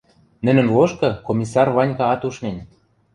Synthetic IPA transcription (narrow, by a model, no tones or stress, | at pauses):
nɘ̆nɘ̆nloʃkɤ̆komʲisɑrβɑnʲkɑɑt̪uʃnen